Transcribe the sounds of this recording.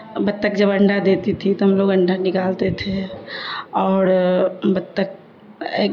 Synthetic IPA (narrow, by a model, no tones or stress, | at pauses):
bət̪ːəkd͡ʒəbəɳɖad̪et̪it̪ʰit̪oɦəmloːɡəɳɖʱanɪkaːlt̪et̪ʰe | ɔːɾbət̪ːək̚ː